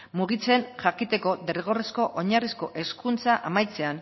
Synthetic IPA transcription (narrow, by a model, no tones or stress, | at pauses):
muɣ̞it͡se̞nʝakit̪e̞ko̞d̪erɣ̞o̞resko̞ʔoɲarisko̞ʔe̞skunt͡saʔamajt͡se̞an